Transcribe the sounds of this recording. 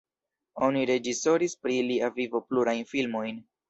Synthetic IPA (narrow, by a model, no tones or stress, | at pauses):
o̞niɾe̞d͡ʒiso̞ɾispɾiliavivo̞pluɾajnfilmo̞jn